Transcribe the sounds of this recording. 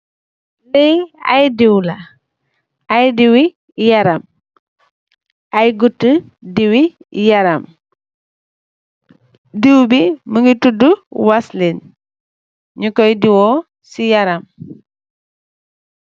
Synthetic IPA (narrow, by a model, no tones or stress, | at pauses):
lɛɐ̰jdiwlɐ | ʔɐjdiwi | jɐɾɐm | ʔɐjɡutːə | diwijɐɾɐm | diwbiməŋɡituduwaslen | ɲukɔjdiwɔː | sijɐɾɐm